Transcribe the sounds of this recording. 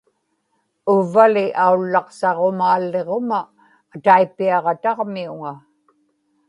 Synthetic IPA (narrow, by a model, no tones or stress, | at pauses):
ʊvːalɪʔaulːɑqsɑʁo̞maːlːe̞ʁo̞maː | t̪aipːiɑʁɑt̪ɑʁmiuŋa